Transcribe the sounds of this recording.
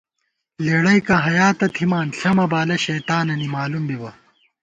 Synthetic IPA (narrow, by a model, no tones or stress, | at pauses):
leːɽɐjkɐɦɐjaːt̪ɐt̪ʰimaːnɬɐmɐbaːlɐɕɐjt̪aːnɐnimaːlumbiwɐ